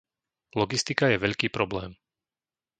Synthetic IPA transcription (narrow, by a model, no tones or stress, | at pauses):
lɔɡist̪ikajɛʋɛʎkiːpɾɔblɛːm